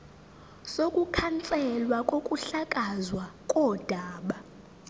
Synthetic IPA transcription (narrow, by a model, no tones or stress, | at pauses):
sokʼukʰant͡sʼɛlwakʼokʼuɬakʼazwakʼɔd̥ʱaːɓa